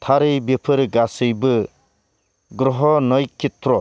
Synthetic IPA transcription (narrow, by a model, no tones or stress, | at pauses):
t̪ʰaɾɯjbepʰɯɾɡasɯjbɯ | ɡɾɔɦɔnɔjkit̪ɾɔ